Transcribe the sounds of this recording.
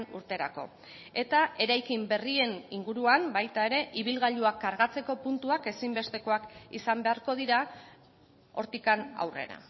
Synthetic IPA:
nuɾt̪e̞ɾa̰ko̞̰ | e̞t̪aʔe̞ɾajkimbe̞rie̞niŋɡuɾuambajt̪ae̞ɾe̞ʔiβ̞ilɣaʎuakːaɾɣat͡se̞ko̞punt̪uake̞simbe̞st̪e̞ko̞akisambe̞aɾko̞ðiɾa | o̞ɾt̪ikana̰wre̞̰ɾa̰

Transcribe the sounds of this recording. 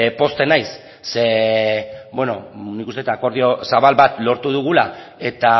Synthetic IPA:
po̞st̪e̞najsː | e | bweno̞̰nikust̪eet̪ako̞ɾð̞io̞saβalβat̪lo̞ɾt̪uðuɣ̞ula | e̞t̪a

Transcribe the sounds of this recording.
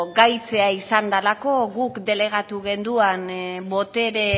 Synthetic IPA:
ɡajt͡se̞aisand̪alako̞ɣukd̪e̞le̞ɣ̞at̪uɣe̞nd̪uanbo̞t̪e̞ɾe̞

